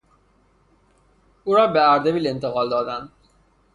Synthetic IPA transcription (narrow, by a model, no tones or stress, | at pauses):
uːɾɒːbeæɾd̪ebiːlent̪ʰeɣɒːld̪ɒːd̪ænd̪̥